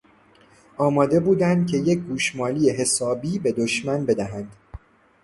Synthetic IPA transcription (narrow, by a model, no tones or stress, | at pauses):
ʔɒːmɒːd̪e̞buːd̪ænd̪̚cʲʰe̞je̞c̚ɡuːʃmɒːlijeɦe̞sɒːbiːbe̞d̪oʃmænbe̞d̪æɦænd̪̥